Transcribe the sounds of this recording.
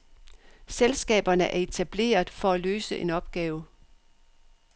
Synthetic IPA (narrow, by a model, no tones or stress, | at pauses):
selsɡ̥ɛ̰ːb̥ɐnəʔæɐe̝t͡sʰæb̥le̝̰ːɐð̩ˠfɒ̽ælø̰ːsəʔe̝nɒ̽b̥̚ɡ̥ɛːʊ